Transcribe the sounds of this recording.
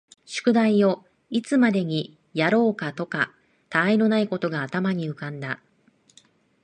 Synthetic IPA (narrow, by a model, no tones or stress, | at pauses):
ɕɨ̥kɯ̟d̪aio̞ | it͡sɨmad̪e̞ɲ̟i | jaɾo̞ːkat̪o̞ka | t̪aːino̞naiko̞t̪o̞ɡaːt̪amaɲ̟iɯ̟kãnd̪a